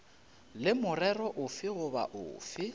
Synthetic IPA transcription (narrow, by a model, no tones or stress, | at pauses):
lɪmʊrɛrɔʔʊfɪɣʊba̰ʔʊ̰ːfɪ